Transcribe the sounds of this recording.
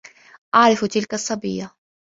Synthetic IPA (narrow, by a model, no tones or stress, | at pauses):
ʔaʕɾˤɑft̪ɪlkasˤːɑbɪjːa